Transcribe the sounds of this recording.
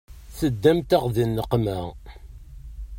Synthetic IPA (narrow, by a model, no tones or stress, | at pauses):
θəd̪ːæmt̪æʁðinːəqmæ